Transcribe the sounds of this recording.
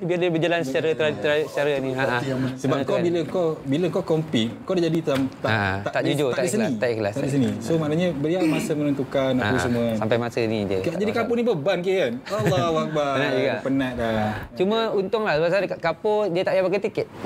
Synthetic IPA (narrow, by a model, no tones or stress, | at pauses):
biadəbəd͡ʒalansət͡ʃaɾət̪əɾat̪əɾasət͡ʃaɾəniaʔasəbank̪obiləkobiləŋkɔkɔmpik̚kodad͡ʒadit̪amt̪aa̰at̪aʔud͡ʒot̪aaisəsiaʔiklast̪aisənisomanaɲəbəɾiamasəmənənt̪ukanaəsəmuasampajmasənidəaʔd͡ʒadikapʊŋnibəbankianalːahuak̚baɾənaʔd͡ʒuɡaʔpənaʔdat͡ʃumə̃unt̪ʊŋlahsəbasakaʔkapodiət̪aʔijabakət̪ikɛt̪̚